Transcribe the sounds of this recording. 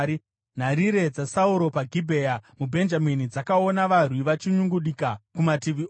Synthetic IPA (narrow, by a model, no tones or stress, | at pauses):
i | n̤aɾiɾe̞d͡zasauɾo̞paɡʱibʱe̞jamubʱe̞nd͡ʒaminid͡zakao̞naʋarwiʋat͡ʃiɲuŋɡuɗikakumatiʋio